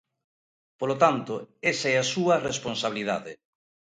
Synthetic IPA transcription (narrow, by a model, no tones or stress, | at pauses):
polot̪ant̪oesaɛasuɐresponsaβ̞iliðaðe